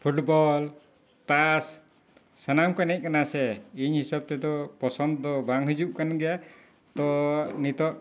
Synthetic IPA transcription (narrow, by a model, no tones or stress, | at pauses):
pʰuʈbɔl | t̪asː | anamkɔnɛc̚ˀkanasɛiɲhisab̚t̪ɛd̪ɔpɔsɔnd̪ɔd̪ɔbaŋɦud͡ʒuʔkanɡɛja | t̪ɔnit̪ɔʔ